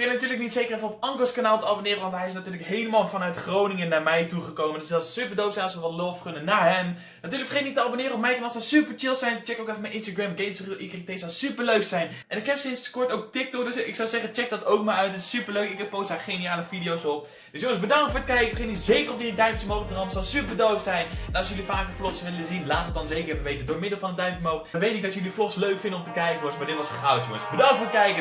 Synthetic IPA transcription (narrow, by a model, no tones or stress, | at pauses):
ɪnatyːɹləknitsejkərɛfənɔpɑŋkəskanaːlˠtəɑbonɪːɾəʋɑntɦɛjɪsnatyːɹləkɦejləmaːlˠfɑnœɥtχrownɪŋənːaːɹmɛjtuχəkowməndəsɛlˠssypəɹdowpsɛjnɑɔsʋəʋɔtlofkønənːaːɦɛn | natyːɹləkfəχejtniktəɑbonɪːɾəɔpmɛjənɑlˠsɛsypəɹt͡ʃɪlˠsɛjnt͡ʃɛkowkɛfənmɛjnʔɪnstaɡrɛmɡejsχyʔɪkrɪk̚tesɔsypəɹløɥksɛjnʔɛnɪkɦɛpsɪnskɔɹtowk̚tɪk̚tɔkdøsɪksɔwzɛχət͡ʃɛk̚dɑtowk̚maːɹœɥtɛtɪ̥sypəɹløɥkɪkpowsdaːɹχejnijaːləvidijowsɔp | dəsjoŋəzbədɑŋkfʊːɹətkɛjkəχɪnizejkərɔpdiidœɥmptəmowχtərɑmsɑlˠsypəɹdowksɛjnɛnɑlsjɵlifaːkəflɔχsʋɪləzinlaːtətdɑnzejkərfəʋejtədʊːɹmɪdəlˠfɑnədœɥmpjəmowχʋejtɪkɡ̚dɑtəjəliflɔχsløɥkfɪndənɔmtəkɛjkəjosmaɹdɪtʋɑsχawtjʊŋəsbədɑŋtfʊːɹət̚kɛjkə